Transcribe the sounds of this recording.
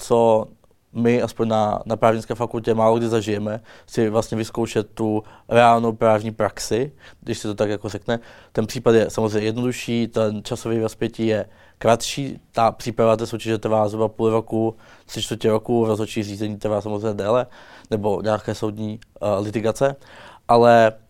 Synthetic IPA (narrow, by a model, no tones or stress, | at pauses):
t͡so | mɪʔaspoɲna̰napɾaːvɲɪnskɛːfakulcɛmaːloɡdɪzaʒɪjɛmɛsɪvlast̪ɲɛvɪskowʃɛt̪ːuɾɛaːlnowpɾaːvɲiːpɾaksɪɡdɪʃsɪt̪ot̪akjakorɛknɛt̪ɛnpr̥iːpat̪jɛsamozrejɲɛjɛdno̞duʃiːt̪ɛnt͡ʃasovijvɾospjɛciːjɛ | kɾat̪ʃiːt̪apr̥iːpɾavat̪ɛːsowcɛʒɛt̪ɾ̩vaːzɾubapuːlɾoku | t̪r̥ɪt͡ʃt̪vəɾcɛɾokuɾozɦot͡ʃiːɣriːzɛɲiːt̪ɾvaːsamozrɛjɲɛdɛːlɛnɛbo̞ɲaːkɛːso̞wd̪ɲiːlɪt̪ɪɡat͡sɛʔalɛ